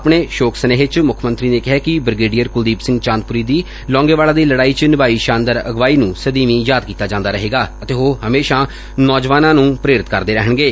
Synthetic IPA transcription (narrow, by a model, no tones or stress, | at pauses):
pɳeːʃoːkʰsəneːɦt͡ʃmʊkʰmə̃nt̪ɾiːneːkɪɦɛːkɪbɾɪɡeːɖijəɾkʊld̪iːpsɪ̃ŋɡt͡ʃãːnd̪̚pʊɾiːd̪iː | lɔ̃ːŋɡeːʋaːlaːd̪iːləɽaːiːt͡ʃnɪbaːiːʃãːnd̪əɾəɡʋaːiːnũːsəd̪iːʋĩːjaːd̪̚kiːt̪aːd͡ʒãːnd̪aːɾəɦeːɡaːət̪eːɦoːɦəmeːʃaː | nɔːd͡ʒʋaːnãːnũːpɾeːɾɪt̪kəɾd̪eːɾɛɦəɳɡeː